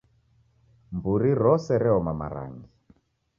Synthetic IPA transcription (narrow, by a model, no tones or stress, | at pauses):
mbuɾiɾɔsɛɾɛɔmama̰ɾa̰ŋɡi